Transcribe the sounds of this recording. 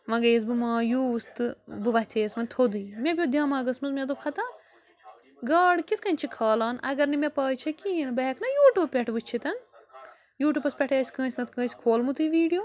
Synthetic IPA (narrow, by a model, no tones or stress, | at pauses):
ʋɐ̃ɡeːs̬bɨmãːjuːst̪ɨbɨʋɐt͡seːsmɐnt̪ʰod̪umʲepʲjod̪ʲjãːmaːɡɐsmɐzmed̪opʰɐt̪a | ɡɐːɽkit̪kɐnʲt͡ʃʰikʰɐːlaːnʔɐɡɐɾnimepɐːt͡ʃʰɐkiinbɐɦɛkʰnɐjuːʈuːbpʲeʈʰʋɨt͡ʃʰit̪ɐn | juːʈʲuːpɐspʲeʈʰeːsʲkɐ̃ːsʲnɐt̪kɐ̃ːsʲkʰoːlmut̪ʰɨʋiːɖijoː